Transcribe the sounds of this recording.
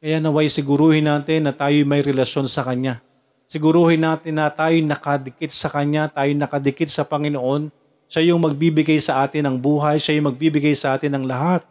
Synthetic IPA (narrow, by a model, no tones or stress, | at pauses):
kɐjaʔnɐwajsɪɡʊɾuːhɪnaːt̪ɪnːɐt̪aːjojmɐjɾɛlɐʃo̞nsɐkɐɲa | sɪɡʊɾuːhɪnːaːt̪ɪnːɐt̪aːjonɐkɐd̪ɪkɪt̪̚sɐkɐɲat̪aːjonɐkɐd̪ɪkɪt̪̚sɐpɐŋɪnoʔo̞n | ʃajʊŋmɐɡ̚biːbɪɡajsɐʔaːt̪ɪnɐŋbuːɦɐjʃajʊŋmɐɡ̚biːbɪɡajsɐʔaːt̪ɪnɐŋlɐɦat̪̚